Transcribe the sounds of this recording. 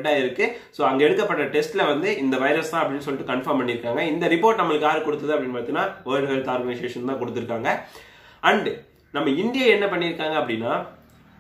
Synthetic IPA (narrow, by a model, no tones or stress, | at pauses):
ʈːaːɪɾɯkːɯ | soːɐŋɡeɛɽɯkːɐpːɐʈːɐʈɛsʈɪlɐʋɐnd̪ɯɪnd̪ɐʋɐɪɾɐst̪ãːɐpːɐɽɪnːɯs̬ɔlːɪʈːɯkɐɳfɐmpɐɳːɪɾɯkːaːŋɡɐɪnd̪ɐɾɪpːoːɾʈnɐmːɐɭɯkːaːɾɯkɔɽɯt̪ːɐðɯɐpɐɽɪnːpaːt̪ːinːaːoːɾɐɾt̪aːɾmʋɐɪʂeːʂɐnt̪ãːkɔɽɯt̪ːɪɾɯkːaːŋɡɐ | ɐɳɖ | nɐmːɐɪnd̪ɪjaɛnːɐpɐɳːɪɾɯkːaːŋɡɐpːɐɽɪnːaː